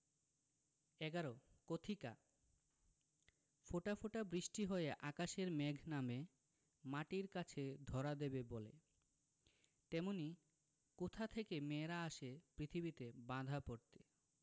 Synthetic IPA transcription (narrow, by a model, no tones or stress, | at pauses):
ɛɡaɾokot̪ʰika̰ | foʈafoʈabɾiʃʈiɦoeʔakaʃeɾmɛɡʱname | maʈiɾkat͡ɕʰed̪ʱɔɾad̪ebebole | t̪ɛmoni | kot̪ʰat̪ʰekemeɾaaʃepɾit̪ʰibit̪ebãd̪ʱapoɾt̪e